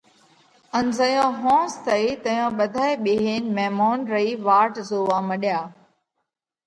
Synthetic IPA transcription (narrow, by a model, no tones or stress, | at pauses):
ənzəjõːɦõːst̪ʰɐit̪ɐjõːɓɐd̪ʱaːeɓeːɦeːnmɛːmoːnɾɐiːʋaːʈzoːʋãːməɗjaː